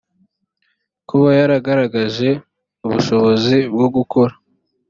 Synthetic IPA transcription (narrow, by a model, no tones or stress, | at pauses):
kuβajaɾaɡaɾaɡaʒe̞ | uβuʃo̞βo̞zibɡoɡukʰo̞ɾa